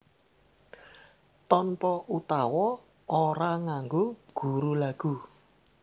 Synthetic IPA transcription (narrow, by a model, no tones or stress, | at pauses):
t̪ɔnpɔut̪awɔ | oɾaŋaŋɡoɡ̥ṳɾulaɡ̥u